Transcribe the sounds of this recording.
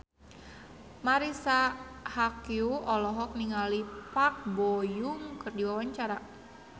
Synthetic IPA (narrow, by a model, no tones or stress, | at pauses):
maɾisahakiuɔlɔɦɔk̚niŋalipak̚bɔjuŋkɨrdiwawaɲt͡ʃaɾa